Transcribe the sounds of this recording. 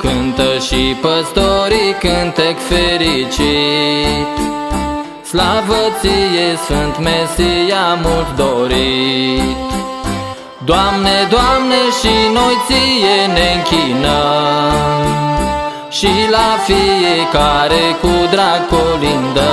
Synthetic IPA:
kɨnt̪əʃipəst̪oɾikɨnt̪ekfeɾit͡ʃi | t̪ | slavət̪sijesfɨnt̪mesijamult̪d̪oɾi | t̪ | d̪oamned̪oamneʃinojt̪sijeneɨŋkʲinə | m | ʃilafijekaɾekud̪ɾaɡolind̪ə

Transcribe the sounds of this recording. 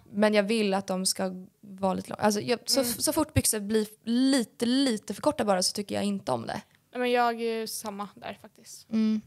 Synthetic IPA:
mɛnjɑːvɪlːat̪̚d̪ɔmskavɑːlḭːt̪əlɔ̰ŋʔa̰ls̬ɔjɑsɔsɔfʊʈːbʏksəbliliːt̪əliːt̪əfœɾkʰɔʈːabɑːɾasɔ̥t̪ʰʏkːəjɑ̰ɪnt̪əɔ̰md̪ɛ̰ | ɛmɛnjɑːɡæsamːad̪æ̰ɾfak̚t̪ɪst̪m̩ː

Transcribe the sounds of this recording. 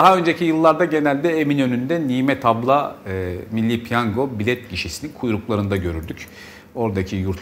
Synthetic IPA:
aɦaø̞nd͡ʒe̞cʰijɯlˠːaɾd̪aɟe̞nælʲd̪ɛeminø̞nynd̪ɛniːmɛt̪ʰablˠa | milʲːipʰjaŋɡo̞bilʲɛt̪̚ciʃisininkʰujɾuklˠaɾɯnd̪aɟø̞ɾyɾd̪yc | o̞ɾd̪acʰijuɾt̪ʰ

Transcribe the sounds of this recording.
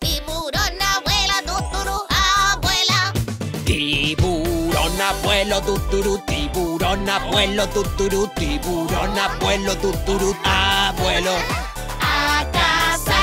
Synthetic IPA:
t̪iβuɾonaβwelat̪ut̪uɾuaβwelat̪iβuɾonapwelot̪ut̪uɾut̪ibuɾonapwelot̪ut̪uɾut̪iβuɾonapwelot̪ut̪uɾuapwelo | akas

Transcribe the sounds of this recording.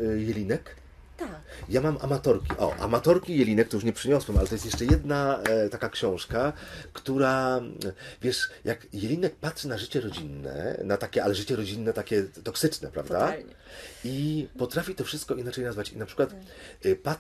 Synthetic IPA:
jɛlʲinɛk | t̪ajamamʔa̰mat̪ɔɾkʲiʔɔ̰ʔa̰mat̪ɔɾkʲijɛlʲinɛk̚t̪ɔjuʂɲɛpʂɘɲɔswɛmalɛt̪ɔjɛst̪jɛʂt͡ʂɛjɛd̪nat̪akakɕɔ̃w̃ʂkakt̪uɾa | vʲjɛʂjakjɛlʲinɛk̚patʂɘnaʐɘt͡ɕɛɾɔd͡ʑinːɛ̰nat̪akʲɛalɛʐɘt͡ɕɛɾɔd͡ʑinːɛt̪akʲɛt̪ɔksɘt͡ʂnɛpɾa̰vd̪aɲ | ipɔt̪ɾafʲit̪ɔfʂɘst̪kɔinat͡ʂɛjnazvat͡ɕḭnapʂɘkwat̪ | pa

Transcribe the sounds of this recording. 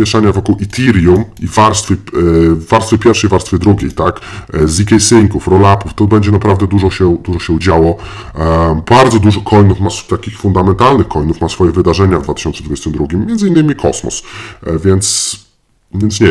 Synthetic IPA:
mʲjɛʂaɲavɔkuwʔit̪ʰiɾjumivaɾst̪fʲəː | aɾst̪fʲəpʲjɛɾfʂɛjvaɾst̪fʲɛd̪ɾuɡʲejt̪akzikʲɛjsiŋkufɾɔlapuft̪ɔbɛɲd͡ʑɛnapɾavd̪ɛd̪uʐɔɕɛd̪uʐɔɕɛud͡ʑawɔ | baɾd̪zɔd̪uʐɔkʰɔjnufmast̪akʲixfund̪amɛnt̪alnɘxkɔjnufmasfɔjɛvɘd̪aʐɛɲavd̪vat̪ɘ̥ɕɔnt̪sɛd̪vud͡ʑɛst̪ɘmd̪ɾuɡʲimːjɛnzɘinːɘmʲikʰɔ̰smɔ̰svʲjɛnt̪s | vʲjɛnsɲɛ

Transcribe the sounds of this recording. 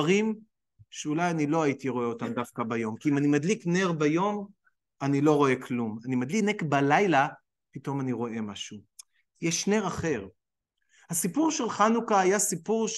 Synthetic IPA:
aʁim | ʃeulajanilo̞aitiʁo̞eo̞t̪amd̪afkabajo̞mkiimanimad̪likneʁbajo̞m | anilo̞ʁo̞e̞kʰlumanimad̪liknekbalajla | pito̞maniʁo̞ʔe̞maʃu | jeʃne̞ʁaχe̞ʁ | hasipuʁʃelχanukaajasipuʁʃ

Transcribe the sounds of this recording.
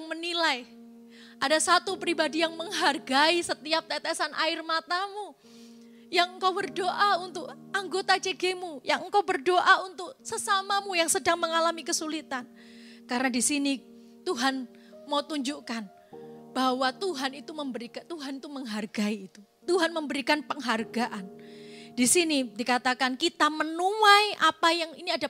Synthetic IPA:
ŋmənilaj | ʔadasat̪upɾibadijaŋməŋɦarɡaisət̪iap̚t̪ɛt̪ɛsanʔa̰ɪrmat̪amu | jaŋəŋkawbərdoʔaunt̪ʊk̚ | aŋɡot̪at͡ʃeɡemujaŋəŋkawbərdoʔaunt̪ʊk̚səsamamujaŋsədaŋməŋalamikəsulit̪an | kaɾənadisini | t̪uɦan | maut̪uɲd͡ʒuʔkan | b̥awat̪uɦanit̪uməmbəɾikat̪uɦanit̪uməŋɦarɡaiːt̪u | t̪uɦanməmbəɾikanpəŋɦarɡaʔandisinidikat̪akankit̪amənuajʔapajaŋiniada

